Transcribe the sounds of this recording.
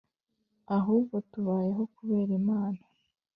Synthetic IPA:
aɦuːbɡo̞tuβaːje̞ɦo̞kuβe̞ːɾimaːna

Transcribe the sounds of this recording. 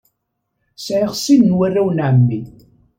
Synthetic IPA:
sʕɪʁsinnwærːæwnʕəmːi

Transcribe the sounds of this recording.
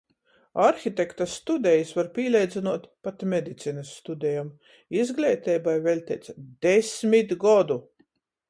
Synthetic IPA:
aɾxʲit̪ʲekt̪ast̪ud̪ʲɛjisvaɾpʲiːlʲɛjd̪zinuɔt̪pat̪mʲɛd̪it̪siːnɐsːt̪ud̪ʲɛjam | izɡlʲɛːt̪ɛjbajvʲɛlʲt̪ʲɛjt̪sd̪esmʲit̪ɡɔd̪u

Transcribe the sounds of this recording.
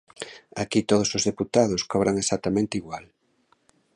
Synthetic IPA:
akit̪oð̞osozðeput̪aðoskɔβɾʔaŋesat̪amẽnt̪ɪiɣwal

